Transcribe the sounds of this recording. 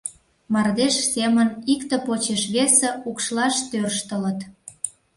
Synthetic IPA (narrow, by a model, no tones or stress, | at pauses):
mɑrd̪eʃsemənikt̪ə̆pot͡ɕeʃβesĕukʃlɑʃt̪ørʃt̪ələ̆t̪